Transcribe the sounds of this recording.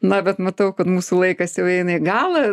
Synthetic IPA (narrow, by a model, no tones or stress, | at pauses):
nɐbʲɛt̪mɐt̪ɐʊkɐt̪muːsulˠɐɪkɐsjɛʊɛɪnɐɪɡɑːlˠɐ